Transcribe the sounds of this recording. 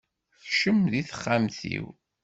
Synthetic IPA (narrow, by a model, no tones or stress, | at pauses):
θʃəmðiθə̥χːamθḭw